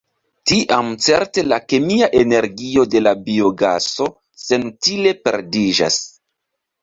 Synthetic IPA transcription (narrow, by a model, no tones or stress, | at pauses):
tiʔamt͡se̞ɾte̞lakemiaʔe̞ne̞ɾɡio̞de̞labio̞ɡa̰so̞ | se̞ntile̞pe̞̰ɾdiʒa̰s